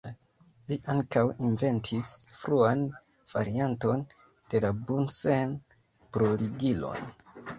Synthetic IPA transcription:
liʔaŋkawinve̞ntʰisfɾuan | v̥a̰ɾianto̞n | d̥e̞labunsen | pɾoliɡilo̞̰n

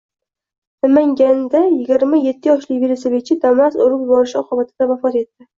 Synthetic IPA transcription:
namaŋɡʲand̪ajɪɡʲɪɾmaje̞t̪ʰːɪjɒʃlɪkviɾɪsɪbet͡ʃʰɪd̪amast̪ʊɾɪpbɒɾɪʃɒqʰɨbat̪ʰɪd̪̥avafɒt̪e̞t̪ːɪ

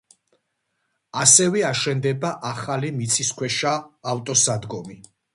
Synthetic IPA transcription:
asɛvɛaʃɛnd̪ɛbaʔaχalimit̪sʰiskʰwɛʃaːft̪ʼɔsad̪ɡɔmi

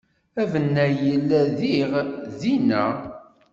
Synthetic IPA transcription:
ævənːæjəlːæðiʁðinæ

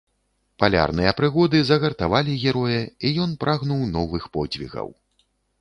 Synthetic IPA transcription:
palʲa̰rnɨjɐpɾɨɣɔd̪ɨzɐɣɐrt̪avalʲiɣʲɛɾɔjɐijɔnpɾʔaɣnuwnɔvɨxpɔd͡zʲvʲḭɣɐ̰w

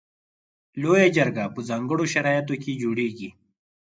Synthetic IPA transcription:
loːjad͡ʒɐɾɡapəzaŋɡəɽoʃɐɾaːjat̪oked͡ʒoːɽeːɡi

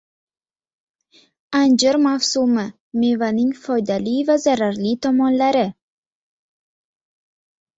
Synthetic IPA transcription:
and͡ʒɪɾmafsumɪ | me̞vanɪŋfɒjd̪alivazaɾaɾlit̪ʰɒmɒnlaɾɪ

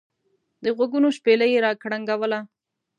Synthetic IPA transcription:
d̪əɣwaɡunoʃpelajeɾɑkɽaŋɡawəla

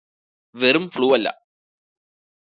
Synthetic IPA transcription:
ʋɛɾɯmfɭuːɐlːɐ̰

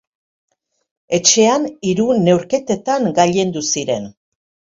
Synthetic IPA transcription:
e̞t͡ʃe̞aniɾune̞wɾke̞t̪e̞t̪aŋɡaʎe̞nd̪usiɾe̞n

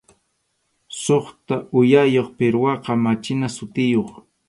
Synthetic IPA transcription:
soχt̪aʊjajoχpɪɾwɑqɑmat͡ʃɪnasʊt̪ɪjoχ

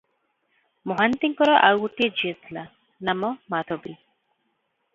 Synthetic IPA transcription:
mɔɦant̪iŋkɔɾɔʔawɡuʈied͡ʒiet̪ʰila | namɔmat̪ʰɔbi

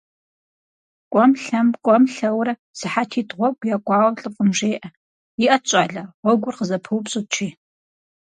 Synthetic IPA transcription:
kʷʼɔmɬɐmkʷʼɔmɬɐwrɐ | sɨħatʰiːtʼʁʷɔɡʷjaːkʷʼɑːwɬʼɨpfʼəmʒeːʔɐ | jiʔɐt͡ʃʼaːɮɐʁʷɔɡʷʊrqəzɐpʰɨwpɕʼɨt͡ʃʰiː

